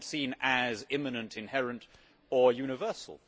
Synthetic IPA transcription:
d̥sĩnɨzɪ̃mɨnɨ̃ntʰɨ̃nhɛɹɨ̃nt | əjʉnɨvɜ˞sə̰l̩ˠ

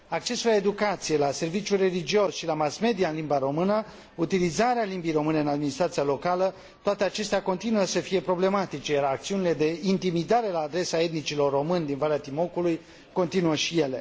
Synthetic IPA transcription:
ak̚t͡ʃe̞sulae̞d̪ukat̪sije̞lase̞rvit͡ʃʲure̞lid͡ʒio̞sʃilamasme̞d̪ijaɨnlimbaɾo̞mɨnə | ut̪ilizaɾealimbijro̞mɨneɨnad̪minist̪ɾat̪sialo̞kalə | t̪oat̪e̞at͡ʃe̞st̪eako̞nt̪inuəsəfije̞pɾo̞ble̞mat̪it͡ʃe̞jaɾak̚t̪siunile̞d̪e̞int̪imid̪aɾe̞laːd̪ɾe̞sae̞t̪̚nit͡ʃilo̞rːo̞mɨnd̪invaleat̪imo̞kuluj | ko̞nt̪inuəʃije̞le̞

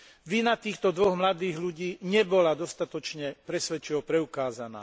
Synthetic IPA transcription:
ʋinat̪iːxt̪ɔd̪ʋɔɣmlad̪iːɣluɟiːɲɛbɔlad̪ɔst̪at̪ɔt͡ʃɲɛpɾɛsʋɛt͡ʃiɔpɾɛukaːzana̰ː

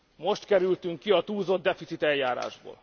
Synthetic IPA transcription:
mo̞ʃt̪kɛɾylt̪yŋkːiɒt̪uːzo̞d̪ːɛfit̪sit̪ɛljaːɾa̰ːʒbo̰ːl

